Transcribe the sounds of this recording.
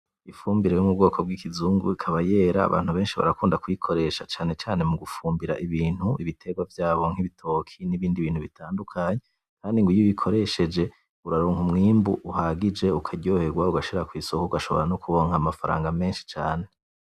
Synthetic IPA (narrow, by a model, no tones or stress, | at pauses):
ifuːmbiɾejomub̚ɡo̞ːkʰo̞b̚ɡikizuːŋɡṵikʰaβaje̞ːɾa̰ːβa̰ːn̥huβe̞ːnʃiβa̰ɾakuːndakujikʰo̞ɾe̞ʃat͡ʃaːne̞t͡ʃaːne̞muɡufuːmbiɾa̰ʔiβiːn̥huiβitʰe̞ɡwavjaːβo̞ŋ̥iβitʰo̞kʰiniβiːndiβiːn̥huβitʰaːndukʰaɲe | kʰaːndiŋɡujiβikʰo̞ɾe̞ʃe̞d͡ʒe̞ | uɾaɾoːŋhumŋiːmbuʔuhaɡid͡ʒe̞ukʰaɟoːhe̞ɡwauɡaʃiɾakwisokuuɡaʃo̞̰βoɾanukuβo̞ŋ̥amafaɾa̰ːŋɡame̞ːnʃi̥t͡ʃaːne̞